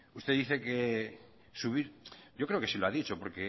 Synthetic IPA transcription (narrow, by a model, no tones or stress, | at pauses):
ust̪eðiθeke | suβiɾjo̞kɾeo̞kesiloaðit͡ʃo̞po̞ɾke̞